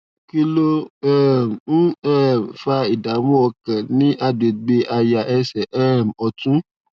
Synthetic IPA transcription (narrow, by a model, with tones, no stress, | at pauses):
ki˧lo˦ɛ˦˨m̩˨n̩˦ɛ˦˨m˨fa˧i˨da˨˦wɔ̃˦ɔ˧kã˨nĩ˨˦ʔa˦˨de˨ɡ͡be˧ʔa˧ja˧ʔɛ˧sɛ˨ʔɛ˦˨m˨ɔ˧tũ˦